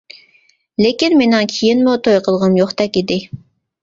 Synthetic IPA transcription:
lekʲinmenɪŋkʲʰijinmʊt̪ʰojqʰəlˠʁəmjoχt̪ɛkʲid̪ɪ

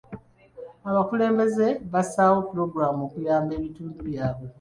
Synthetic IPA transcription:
aβakule̞ːmbe̞ze̞βasaːwo̞puɾo̞ɡɾamoːkujaːmbe̞ːβituːnduβjaːβwe̞

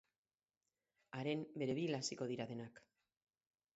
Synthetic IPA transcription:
aɾe̞mbe̞ɾe̞βilasiko̞ðiɾaðe̞nak

